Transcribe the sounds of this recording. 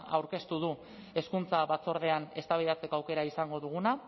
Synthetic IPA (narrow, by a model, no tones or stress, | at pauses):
awɾke̞st̪uð̞u | e̞skunt͡saβat͡so̞ɾð̞e̞ane̞st̪aβiðat͡se̞ko̞awke̞ɾaisaŋɡo̞ðuɣ̞una